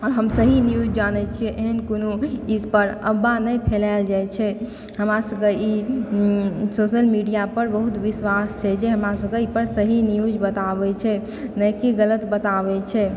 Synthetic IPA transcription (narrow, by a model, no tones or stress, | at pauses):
ɔɾɦəmsəɦinijud͡ʒd͡ʒanɛt͡ʃʰiɛʔeɦənkonoispəɾə̰bːanəjpʰelaɪld͡ʒajt͡ʃʰɛ | həmɾasəbkei | sosəlmiɖijapəɾbəɦut̪ʋiswast͡ʃʰɛd͡ʒeɦəmɾasəbkeipəɾsəɦinijud͡ʒbət̪abɛt͡ʃʰɛ | nəkiɡələt̪bət̪abɛt͡ʃʰɛ